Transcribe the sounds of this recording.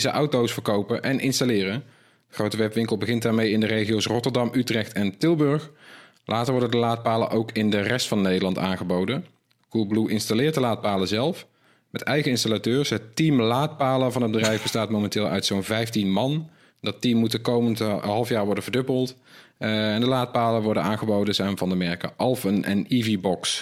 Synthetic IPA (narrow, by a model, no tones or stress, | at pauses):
zəʔɑwtowsfəɹkowpəʔɛnʔɪnstalɪːrən | əχrowtəʋɛpʋɪŋkəlˠbəɣɪnt̚daːɹmejɪndərejχiowsrɔtəɹdɑmʔytrɛxtɛntɪlˠbɵɹx | lʔaːtəɹʋɔɹdəndəlaːt̚paːlə̰nʔowkʰɪndərɛstfɑnːejdəlɑnta̰ːnχəbowdən | ɡ̥ulˠbluʔɪnstalɪːɹtdəlaːt̚paːləzɛlˠf | mɛtɛjχəɪnstalatøːɹsɦətimlaːt̚paːləvɑnɦəd̚bədrɛjvbəstaːtmowmɛntɪːlˠœ̰ɥtsownvɛjftinmɑn | dɑtimːutəkowməndəɦɑlˠəfjaːɹʋɔɹdənvəɹdɵbəlˠt | ɛndəlaːt̚paːləʋɔɹdənaːnχəbowdəzɛjnvɑndəmɛɹka̰ʔɑlˠfənənivibɔks